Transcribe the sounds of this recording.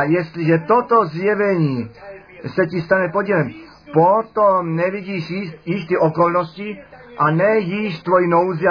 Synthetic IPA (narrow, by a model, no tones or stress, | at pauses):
jɛst̪liʒɛt̪ot̪ozjɛvɛɲiː | sɛcist̪anɛpodilɛm | pot̪omnɛviɟiːʃijiʃt̪iʔɔkɔlnɔsciʔanɛjiʃt̪vojinowzi